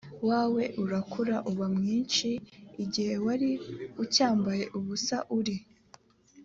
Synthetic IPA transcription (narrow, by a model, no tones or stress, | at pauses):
waːwe̞ʔuɾakʰuɾaʔuβamŋiːnʃiːɟihe̞waɾiucaːmbaje̞ʔuβusaʔuɾi